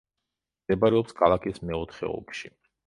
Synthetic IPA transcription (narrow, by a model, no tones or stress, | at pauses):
ɛbaɾɛɔpskʰalˠakʰismɛɔt̪ʰχɛ̰ɔ̰kʃi